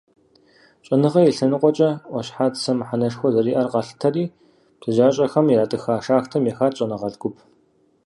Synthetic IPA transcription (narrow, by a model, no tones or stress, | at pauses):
ɕʼɐnɨʁɐjɛɬɐnɨqʷʼɔt͡ʃʼɐʔʷɔɕħaːtsɐmħanɐʂxʷɔzɐriːʔɐrqɑɬɨ̥tʰɐriː | ptʰɨʑaːɕʼɐxɐmjɛɾaːtʼɨxaːʂaːxtʰɐmjɛxaːtɕʼɐnɨʁɐɮɡʷʊp̚ʰ